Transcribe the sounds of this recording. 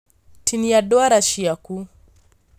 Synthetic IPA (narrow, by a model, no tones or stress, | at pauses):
tʰinijaɗɔaɾaʃiaku